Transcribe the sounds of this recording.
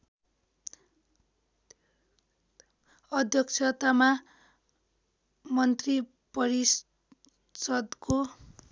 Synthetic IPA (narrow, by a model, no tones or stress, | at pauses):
ʌd̪ʱjʌk̚t͡sʰʌt̪ama | mʌnt̪ri | pʌɾis | sʌd̪ko